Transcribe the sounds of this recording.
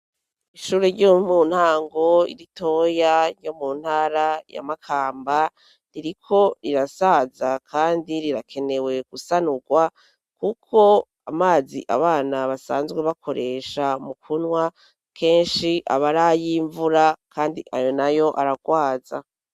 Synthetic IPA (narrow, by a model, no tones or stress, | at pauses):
iʃuːɾeɾɟomun̥haːŋɡo̞ḭɾito̞jajo̞muːn̥haːɾaja̰makʰaːmba | ɾiɾikʰo̞ɾiɾasazakʰaːndiɾiɾakʰe̞ne̞we̞ɡ̥usanuɡwa | kukʰo̞ | amaːzḭʔa̰βaːnaβasaːnzɡwe̞βakʰo̞ɾʔe̞ʃamukʰunwa | kʰe̞ːnʃiʔa̰βaɾajiɱvuɾakʰaːndḭʔa̰jo̞najo̞ʔaɾaɡ̥waːza̰